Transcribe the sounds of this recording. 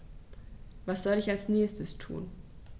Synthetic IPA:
vasz̥ɔlɪçalsnɛːstəstʰṵːn

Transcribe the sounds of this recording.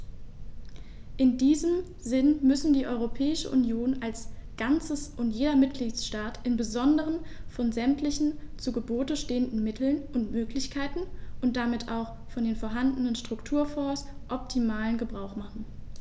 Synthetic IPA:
ʔɪndiːzəm | zɪnmʏsn̩diːʔɔʏʁopʰɛːɪʃə̰ʔṵnjoːnʔalsɡ̥ant͡səsʔʊntjeːdɐmɪt̚ɡ̥liːtsʃtaːtʔɪnbəzɔndəʁ̞ənfɔnzɛmtlɪçn̩t͡suːɡəboːtəʃteːəndn̩mɪtʰl̩nʔʊntmøːklɪçkʰaɪtn̩ʔʊntd̥amɪtʰʔaʊx | fɔndeːnfoːɐɦandənənʃtʁ̥ʊktʰuːɐfɔːsʔɔp̚tʰimaːlənɡəbʁaʊxmaχn̩

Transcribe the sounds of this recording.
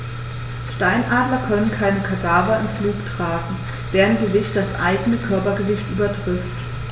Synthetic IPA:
ʃtaɪnʔaːdlɐkʰœnənkʰaɪnəkʰadaːvɐɪnfluːktʁ̥aːɡŋ̩ | d̥eːʁənɡəvɪçt̚d̥asʔa̰ɪɡənəkʰœɐpɐɡəvɪçtʔyːbɐtʁ̥ɪft

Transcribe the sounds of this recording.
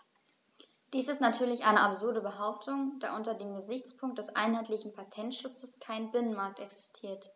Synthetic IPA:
d̥iːsɪstnatʰyːɐlɪçʔaɪnəʔapz̥ʊɐdəbəɦaʊp̚tʰʊŋd̥a̰ːʔʊntɐdeːmɡəzɪçt͡spʰʊŋkt̚d̥ɛsʔa̰ɪnɦaɪtlɪçn̩pʰatʰɛntʃʊt͡səskʰaɪnbɪnənmaɐk̚tɛksɪ̥stʰiːɐt

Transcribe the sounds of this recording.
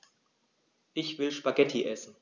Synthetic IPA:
ʔɪçv̥ɪlʃpaɡɛtʰiʔɛsn̩

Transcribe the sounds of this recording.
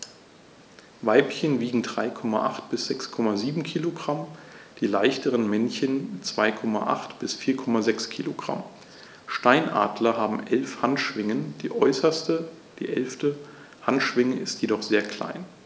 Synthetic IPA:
vaɪpçənviːɡŋ̩dʁaɪkʰɔma̰ʔa̰χt̚b̥ɪsz̥ɛkskʰɔmaziːbm̩kʰiːloɡʁamd̥iːlaɪçtəʁənmɛnçənt͡sv̥aɪkʰɔma̰ʔa̰χtb̥ɪsfiːɐkʰɔmazɛkskʰiːloɡʁa̰m | ʃtaɪnʔa̰ːdlɐɦaːbm̩ʔɛlfhantʃv̥ɪŋənd̥iːʔɔʏsɐstə | d̥ḭːʔɛ̰lftə | hantʃv̥ɪŋəɪstjedɔχz̥eːɐkʰl̥a̰ɪn

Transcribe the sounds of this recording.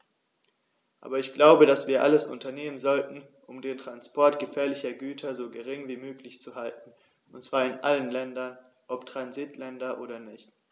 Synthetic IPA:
ʔa̰ːbɐɪçɡ̥laʊbəɾasv̥iːɐʔaləsʔʊ̰ntɐneːmənzɔltn̩ | ʔʊmdeːntʁ̥anspʰɔɐtɡ̥əfɛːɐlɪçɐɡyːtʰɐzoːɡəʁ̞ɪŋviːmøːklɪçt͡suhaltn̩ | ʔʊntt͡sv̥aːɐɪnʔalənlɛndɐn | ʔɔptʁ̥anzitlɛndɐʔoːɾɐnɪçt

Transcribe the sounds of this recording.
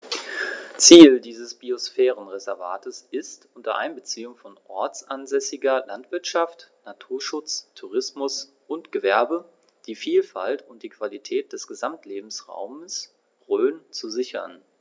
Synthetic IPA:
t͡siːldiːzəsb̥iosfɛːʁənʁezɛɐva̰ːtəsʔɪstʔʊntɐ̰ʔa̰ɪnbət͡siːʊŋfɔnʔɔɐt͡sʔanzɛsɪɡɐlantv̥ɪɐtʃaftnatʰuːɐʃʊt͡stʰuʁɪsmʊs | ʔʊntɡ̥əvɛɐbə | d̥iːfiːlfa̰ltʊnt̚d̥iːkv̥alitʰɛːt̚d̥ɛsɡ̥əzamtleːbm̩sʁa̰ʊməs | ʁøːnt͡suzɪçɐ̰n

